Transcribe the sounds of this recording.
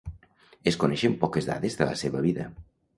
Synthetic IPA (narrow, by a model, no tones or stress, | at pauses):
eskonɛʃempɔkezða̰ðezðələ̰seβəβiðə